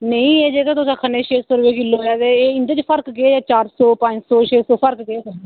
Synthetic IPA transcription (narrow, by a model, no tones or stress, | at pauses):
nəĩːeːd͡ʒeːkat̪ʊsaːkʰəneːʃʰeːsoːɾʋeːkɪlːoːjaːd̪eːeːɪnd̪eːt͡ʃpʰəɾkɡeeːaːt͡ʃaːɾsɔːpəɲd͡ʒsɔːʃʰeːsoːpʰəɾkɡeeː